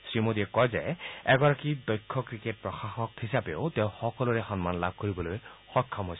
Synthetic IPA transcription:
sɹimod̪iɛkɔjzḛɛɡɔɹakid̪ɔjkʰːɔkɹiket̚pɹɔxaxɔkhisabeoteʊ̃xɔkɔluɹexɔnmanlab̚ʱkoɹibɔlojxɔkʰːɔmɦojs

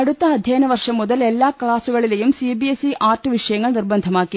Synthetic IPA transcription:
ɐɽut̪ːɐɦɐd̪ʱjɐːnɐʋɐɾʂɐmːɔd̪ɐlɛlːaːkɭaːsuɡɐɭilɐjumsibiesiʔaːɾʈʋiʂɐjɐŋɡɐɭniɾbɐnd̪ʱɐmaːki

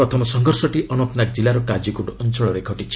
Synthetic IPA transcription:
ɾɔt̪ʰɔmɔsɔŋɡʱɔɾsɔʈiʔɔnɔt̪nakd͡ʒilaɾɔkad͡ʒikuɖɔnt͡ʃɔɭɔɾekʰɔʈit͡ʃʰi̥

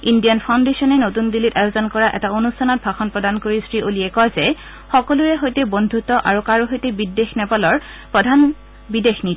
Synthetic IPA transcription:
indijanpʰaw̃ndesiɔnɛnotundilitajozɔnkɔɹaʔɛ̰taonustʰanɔt̚bʱaxɔnpɹɔdankoɹistɹiʔoliɛkɔjzɛ | xɔkɔluɹɛɦojtɛbondʱutɔʔaɹukaɹuɦojtɛbidːexnɛpalɔɹ | pɹɔdʱan | bidexnit

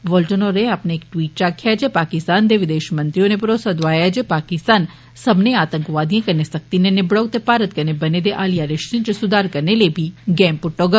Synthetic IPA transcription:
ʋoːlʈənoɾeɐpneeːkʈʋiːʈ̚t͡ʃaːkʰjad͡ʒepaːkɪst̪aːnd̪eʋɪd̪eːʃmɐ̃nt̪ɾijõnepɾoːsad̪ʋaːjad͡ʒepaːkɪst̪aːn | sɐbneaːt̪ə̃ŋkʋaːd̪ijãkɐɾnesɐk̚t̪inenebɽɔːɡ̚t̪epaːɾət̪̚kɐɾnebɐned̪eʔaːlijaɾɪʃʈĩnt͡ʃəsʊd̪aːɾkɐɾnelebʱiɡɛ̃ːmpʊʈːoːɡ

